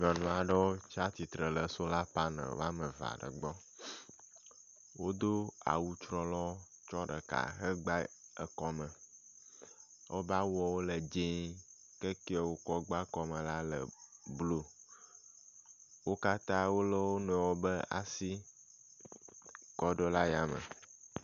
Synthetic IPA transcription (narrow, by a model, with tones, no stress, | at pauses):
ɲ˨ɔ̃˨nɔ̃˨a˨ɖə˦wo˦t͡ʃa˦t̪i˨t̪ɾə˨lə˨so˦la˦pa˦nə̰̃˨˦a˦mə̃˨va̰˨ɖə̰˨ɡ͡bɔ˦ | wo˦d̪o˦a̰˨wu˦t͡ʃɾɔ˦lɔ˦ | t͡ʃɔ˦ɖə˨ka̰˨ɦə˦ɡ͡ba˦ə˨kɔ˦mə̃˨ | wʔo̰˦ba˦wɔ˨wo˦lə˨d͡ʒẽ˦ | kə˦ki˦ɔ˨wo˦kɔ˦ɡ͡ba˦kɔ˨mə̃˨la˦lə̰˨blo˦ | wo˦ka˦t̪ã˦wo˦lə˦wo˦nɔ̃˨wo˦bə˦a̰˨si˦ | kɔ˦ɖɔ˦la˦ja˨mə̰̃˨